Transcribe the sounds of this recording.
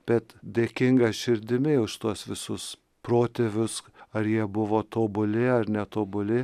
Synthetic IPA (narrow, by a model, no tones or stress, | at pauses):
b̥ʲɛt̪d̪ʲeːkʲɪŋɡɐsʃʲɪɾʲd̪ʲɪmʲɪʊʃt̪uɔsʋʲɪsʊs | pɾoːt̪ʲeʋʲʊsɐɾjiɛbʊʋoːt̪oːbʊlʲɪɐɾnʲɛt̪oːbʊlʲɪ